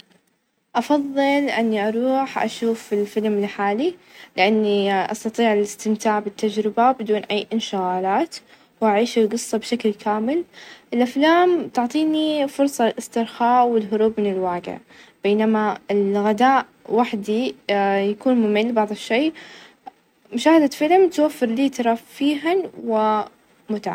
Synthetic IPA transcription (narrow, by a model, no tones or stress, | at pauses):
ʔɑfɑðˤːɨlʔɪnːiʔɑɾˤuːħʔa̰ʃuːfɪlfɪlmɪlħaːlilɪʔanːiʔɑ̰st̪ɑt̪ˤiːʕlɪst̪ɪmt̪aːʕbɪt̪ːad͡ʒɾɪbabɪd̪uːnʔajːʔɪnʃɪɣaːlaːt̪ | wʔaʕiːʃɪlɡɨsˤːɑbʃaklkʰaːmɪlʔɪlʔaflaːmt̪ʊʕt̪ˤiːnifʊɾˤsˤɑlʔɪst̪ɪɾxaːʔwɪlɦʊɾuːbmɪnɪlwaːɡɪ̰ʕ | b̥eːnamaɪlɣad̪aːʔ | waħd̪ijakuːnmʊmɪlːbɑʕðˤɨʃːeː | mʊʃaːhad̪afɪlɪmt̪wafːɪɾliːt̪ɑɾˤɑffiːɦanwɪ | mʊt̪aʕ̰